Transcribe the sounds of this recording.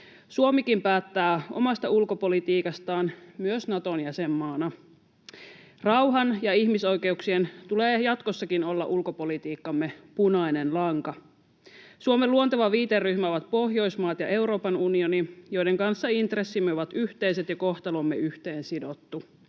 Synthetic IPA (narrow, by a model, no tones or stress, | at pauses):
suomikimpæːt̪ːæːo̞̰mɑst̪ɑulko̞po̞lit̪iːkɑst̪ɑːnmyøsnɑt̪o̞njæsemːɑːnɑ | rɑwɦɑnjɑiçmiso̞jke̞uksient̪uleːjɑt̪kosːɑkino̞lːɑ̰ʔulko̞po̞lit̪iːkːɑmːe̞punɑine̞nlɑŋkɑ | suomeluont̪ɑʋɑʋiːt̪erːyhmæoʋɑt̪̚po̞ɦjo̞jsmɑːt̪jɑʔe̞uɾo̞ːpɑnunio̞nijo̞jde̞ŋkɑnsːɑint̪resːimːeoʋɑt̪yht̪e̞jset̪jɑko̞ht̪ɑlomːeyht̪e̞ːnsido̞t̪ːu